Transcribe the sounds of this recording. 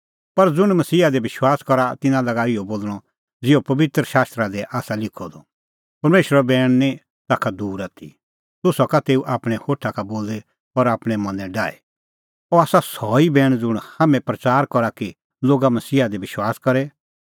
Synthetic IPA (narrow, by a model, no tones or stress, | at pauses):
pɐɾd͡zʊɽ̃mɐsiːɦad̪ɛbɪʃwaːskɔɾat̪ɪnãlɐɡaːɪoboːlɽ̃ɔ | d͡zɪopɐʋɪt̪ɾəʃaːst̪ɾad̪ɛʔaːsalɪkʰɔd̪ɔ | pɐɾmeːʃəɾɔbɛːɽ̃nɛ̃ | t̪aːkʰad̪uːɾat̪ʰḭ | t̪ʊsɔkat̪eːuʔaːpɽ̃ɛhoːʈʰakaboːlɛ | ɔɾaːpɽ̃ɛmɐ̃nɛ̃ɖaːɛ̰ | ɔaːsasɔːibɛːɽ̃d͡zʊɽ̃haːmɛ̃pɾɐt͡saːɾkɔɾaki | loːɡamɐsiːɦad̪ɛbɪʃwaːskɐɾɛ